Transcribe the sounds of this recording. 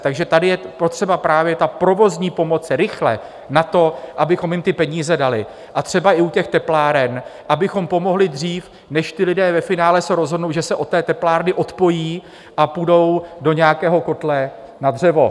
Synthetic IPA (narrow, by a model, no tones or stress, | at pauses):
t̪aɡʒɛt̪adɪjɛpo̞t̪r̥ɛbapɾaːvjɛt̪apɾo̞vo̞zɲiːpo̞mo̞t͡sɾɪxlɛ̰ | nat̪o̞ʔabɪxo̞mjɪmt̪ɪpɛɲiːzɛdalɪ | ʔat̪r̝̥ɛbaʔɪucɛxt̪ɛplaːɾɛnʔabɪxo̞mpo̞mo̞ɦlɪdr̝iːf | nɛʃt̪ɪlɪdɛːvɛfɪnaːlɛsɛɾo̞zɦodno̞wʒɛsɛʔo̞t̪ːɛːt̪ɛplaːɾnɪʔo̞t̪po̞jiː | ʔapudo̞wdo̞ɲɛakɛːɦo̞ko̞t̪lɛ | nad̪r̝ɛvo̞̰